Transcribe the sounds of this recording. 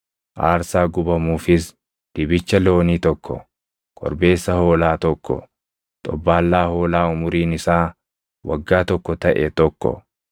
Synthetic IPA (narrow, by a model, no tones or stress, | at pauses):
ʔa̰ːɾsaːɡʊbɐmuːfɪs | d̪̥ɪbɪt͡ʃːɐloːniːt̪ɔkʰːɔ̰ | kʼɔ̰ɾbe̞ːsːɐhoːlaːt̪ɔkːɔ̰ | t̪ʼɔ̰bːaːlːaːho̞ːlaːʊmʊɾiːnɪsaː | wɐ̰ɡːaːt̪ɔkːɔt̪ɐʔɛt̪ɔkːɔ̰